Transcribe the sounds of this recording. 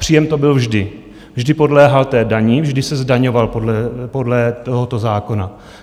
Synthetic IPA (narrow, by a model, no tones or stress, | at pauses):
pr̥iːjɛmt̪o̞bɪlvʒdɪ | vʒdɪpo̞dlɛːɦalt̪ɛːdaɲɪvʒdɪsɛzdaɲovalpodlɛpo̞dlɛt̪oɦot̪ozaːko̞na